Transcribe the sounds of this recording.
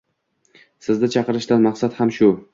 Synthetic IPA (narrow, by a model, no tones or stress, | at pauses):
sɪzd̪ɪt͡ʃʰɑqɨɾɪʃt̪anmaqsat̪hamʃʊ